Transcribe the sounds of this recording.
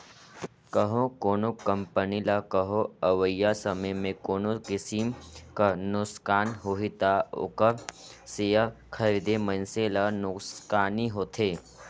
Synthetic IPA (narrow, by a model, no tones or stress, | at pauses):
kəɦõkoːnokə̃mpənilakəɦoɐʋəjːasɐməjmẽkoːnokɪsimkanʊskaːnɦoɦit̪ao̰kəɾseja | kʰɐɾid̪emɐnselanʊskaːniɦoːt̪ʰeː